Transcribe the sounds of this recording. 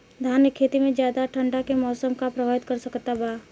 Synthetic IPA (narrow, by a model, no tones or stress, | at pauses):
d̪ʱaːnjəkʰːeːt̪imẽd͡ʒjaːd̪aʈʰə̃ɳɖakemɔːsəmkapɾɐbʱaːʋɪt̪kɐɾsɐkt̪abaː